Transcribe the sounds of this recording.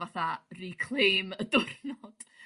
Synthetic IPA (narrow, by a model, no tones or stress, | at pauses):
aθarikʰl̥ˠejmədʊrnɔd̥